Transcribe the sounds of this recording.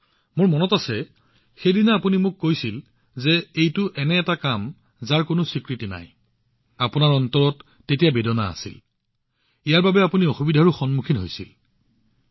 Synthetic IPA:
mʊɹmɔnɔtasɛ | xejdinaapunimʊkːojsil | zɛejtʊʔɛnɛːtakam | zaɹkonʊsikɹitina̰j | apunaɹɔntɔɹɔtː | etijabedɔna̰ːsḭl | ijaɹbabɛapuniɔxubidʱaɹuxɔnmukʰinɦojsḭl

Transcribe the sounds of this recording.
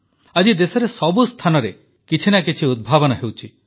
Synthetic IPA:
ad͡ʒid̪esɔɾesɔbust̪ʰanɔɾe | kit͡ʃʰinakit͡ʃʰiud̪̚bʱabɔnɔɦewt͡ʃʰi

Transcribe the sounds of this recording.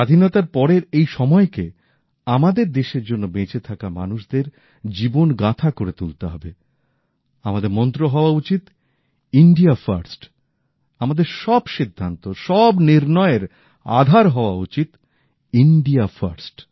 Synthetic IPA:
ʃad̪ʱinɔt̪aɾpɔɾeɾejʃɔmɔeke | amad̪eɾd̪eʃeɾd͡ʑonːobet͡ɕet̪ʰakama̰nuʃd̪eɾ | d͡ʑibonɡat̪ʰakoɾet̪ult̪eɦɔbe | amad̪eɾmɔnt̪ɾoɦɔoaut͡ɕit̪ | iɳɖiafaɾsʈ | amad̪eɾʃɔbʃid̪ʱːant̪oʃɔbniɾnɔeɾ | a̰d̪ʱaɾɦɔoaut͡ɕit̪ | iɳɖiafa̰ɾsʈ

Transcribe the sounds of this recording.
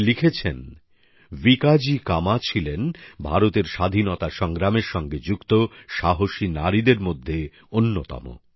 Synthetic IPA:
likʰet͡ɕʰen | vikad͡ʑikamat͡ɕʰilenbʱaɾot̪eɾʃad̪ʱinot̪aʃɔŋɡɾameɾʃɔŋɡed͡ʑukt̪oʃaɦoʃinaɾid̪eɾmod̪ʱːe | onːot̪ɔ̰mo̰

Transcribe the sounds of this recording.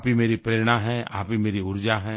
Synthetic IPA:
pɦimeːɾipɾeːɾɽ̃aɦɛ̃a̰ːpimeːɾiʊɾd͡ʒaɦɛ̃ː

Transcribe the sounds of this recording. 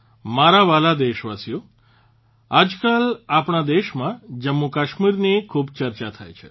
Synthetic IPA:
maɾaʋalad̪eʃʋasijo | ad͡ʒkalapɳad̪eʃmãd͡ʒəmːukaʃmiɾnikʰubt͡ʃəɾt͡ʃat̪ʰa̰jt͡ʃʰḛ

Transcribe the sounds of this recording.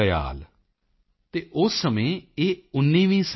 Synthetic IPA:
əja̰ːl | t̪eːʔʊsːəmẽːeːʊnːĩːʋĩːs

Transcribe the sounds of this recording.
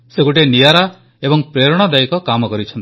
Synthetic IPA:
sekuʈ̬enijaɾa | ebɔŋpɾeɾɔɽ̃ɔd̪aikɔkamɔkɔɾit͡ʃʰɔnt̪

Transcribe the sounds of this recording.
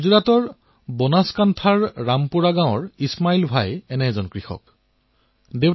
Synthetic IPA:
zuɹatɔɹ | bɔnaskantʰaɹːampuɹaɡãw̃ɔɹismailbʱajɛnɛɛzɔnkɹixɔ̰k̚ | dew

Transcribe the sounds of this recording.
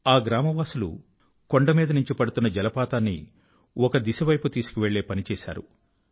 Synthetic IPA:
aːɡɾaːmɐʋaːsulṵ | ko̞ɳɖɐmiːd̪ɐnuɲt͡ʃipɐɽut̪unːɐd͡ʒɛlɐpaːt̪aːnːḭ | ɔkɐd̪isɐʋɐjput̪iːsu̥kiʋe̞ɭːe̞ːpɐnit͡ʃɛːʃa̰ːɾṵ

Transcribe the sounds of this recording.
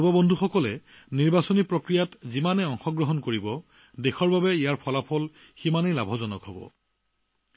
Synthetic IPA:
bɔbɔndʱuxɔkɔlɛ | niɹbasonipɹokɹijatzimanɛɔŋxɔɡɹɔɦɔnkoɹibɔ | dexɔɹbabɛijaɹpʰɔlapʰɔl | ximanejlabʱɔzɔnɔkɦobɔ̰

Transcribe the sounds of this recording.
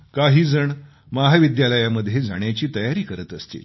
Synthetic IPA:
kaɦiːd͡zəɳ | maɦaʋid̪jaləjaməd̪ʱjed͡za̰ɳjat͡ɕiːt̪əjaɾiːkəɾət̪əst̪ḭl

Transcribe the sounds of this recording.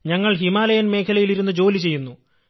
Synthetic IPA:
ɲɐŋːɐɭɦimaːlɐjɐnme̞ːkʰɐlɐjiliɾun̪ːɨd͡ʑo̞ːlit͡ɕe̞jːunːu

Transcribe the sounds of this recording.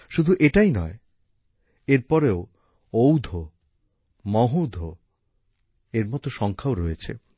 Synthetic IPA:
ʃud̪ʱuʔeʈajnɔe | eɾpɔɾeo | owd̪ʱo | mɔɦod̪ʱo | eɾmɔt̪oʃɔŋkʰaoɾɔjet͡ɕʰḛ

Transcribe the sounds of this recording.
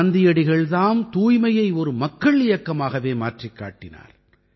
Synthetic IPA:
ɐnd̪ɪjɐɽɪɣɐɭðaːmt̪uːjmɐjɐɪɔɾɯmɐkːɐɭɪjɐkːɐmaːɣɐʋeːmaːʈrikːa̰ːʈːɪna̰ːɾ

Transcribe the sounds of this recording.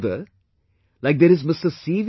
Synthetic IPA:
d̪ə | laɪk̚d̪eɾɨzmɪstəsiːʋ

